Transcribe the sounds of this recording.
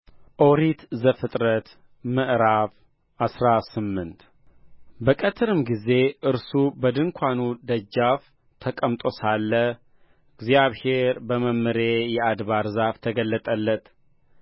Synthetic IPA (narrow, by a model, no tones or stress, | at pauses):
ʔoɾit̪zəfɨt̪ʼɾət̪ | mɨʔɾav | ʔasɾasɨmːɨnt̪ | bəkʼət̪ʰɨɾɨmɡize̞ʔɨɾsubəd̪ɨŋkʷʰanud̪əd͡ʒːaf | t̪ʰəkʼəmt̪ʼo̞salːə | ɨɡzjaβhe̞ɾbəməmːɨɾe̞jɛad̪βaɾzaft̪ʰəɡəlːət̪ʼəlːət̪